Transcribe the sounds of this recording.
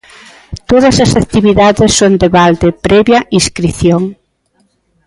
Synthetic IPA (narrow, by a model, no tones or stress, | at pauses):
t̪oðɐsɐsakt̪iβiðaðesːond̪eβald̪epɾɛβjɐʔiskɾiθjoŋ